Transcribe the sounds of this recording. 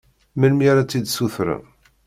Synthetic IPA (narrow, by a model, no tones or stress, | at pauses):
məlmiɾat͡sːid̪suθɾa̰